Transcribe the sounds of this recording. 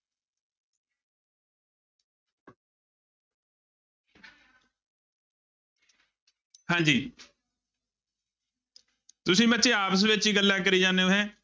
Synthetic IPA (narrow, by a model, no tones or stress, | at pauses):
hãːɲd͡ʒiː | t̪ʊsĩːbətːt͡ʃeːaːpəs̬ʋɪt͡ʃiːɡəlːaːk̬əɾiːd͡ʒãːneːoːɦɛ̃ː